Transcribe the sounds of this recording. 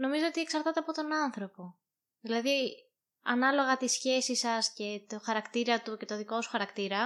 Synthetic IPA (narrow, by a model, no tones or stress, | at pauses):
no̞mizoot̪ie̞ksɐɾt̪ɐt̪eɐpo̞t̪o̞nɐnθɾo̞po̞ | ðilɐði | ɐnɐlo̞ɣɐt̪isçe̞sisɐsce̞t̪oxɐɾɐkt̪iɾɐt̪uce̞t̪o̞ðiko̞su̥xɐɾɐkt̪iɾɐ